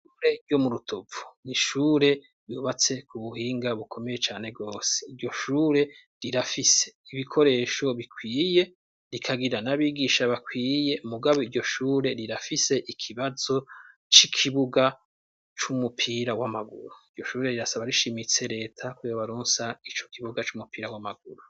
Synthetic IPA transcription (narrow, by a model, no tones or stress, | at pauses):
ʃuɾe̞ɾɟo̞muɾutʰovu̥niʃuːɾe̞ | ɾjuβat͡se̞kʰuβuhiːŋɡaβukʰo̞me̞jet͡ʃaːne̞bɡo̞ːse̥iɾɟo̞ʃuːɾe̞ | ɾiɾafise̞̥iβikʰo̞ɾe̞ːʃo̞βikʰwiːje̞ | ɾikʰaɡiɾanaβiːɡiːʃaβakwiːje̞muɡaβo̞iɾɟo̞ʃuːɾe̞ɾiɾafise̞ʔikʰiβazo̞ | t͡ʃikʰiβuɡa | t͡ʃumupʰiːɾawamaɡṵɾuiɟo̞ʃuːɾe̞ɾiɾasaβaɾiʃimit͡se̞ɾe̞ːtʰakojoβaɾuːnsait͡ʃo̞̥kʰiβuɡat͡ʃumupiːɾawamaɡuɾu